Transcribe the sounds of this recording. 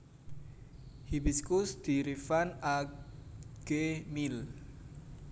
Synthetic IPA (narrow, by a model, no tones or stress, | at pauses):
hibiskusd̪̥iɾifana | ɡ̥emil